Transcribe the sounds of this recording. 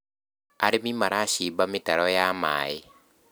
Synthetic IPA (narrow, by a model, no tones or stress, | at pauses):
aɾɪmimaɾaʃibamɪtɛɾɔjama̰ɪ